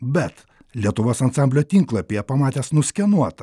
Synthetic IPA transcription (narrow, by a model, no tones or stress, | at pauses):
bʲɛt̪ | lʲiɛt̪ʊʋoːsɐnsɑmʲbʲlʲoːt̪ʲiŋklˠɐpʲejɛpɐmɑːt̪ʲɛːsnʊsʲkʲɛnuɔt̪ɐ